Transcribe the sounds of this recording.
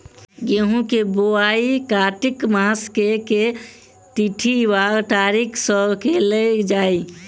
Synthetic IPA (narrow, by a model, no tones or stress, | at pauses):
ɡeɦũkeboaikaːʈɪkmaəskeke | t̪iʈʰiʋaːɡt̪aːɾikʰsəbkeled͡ʒaːi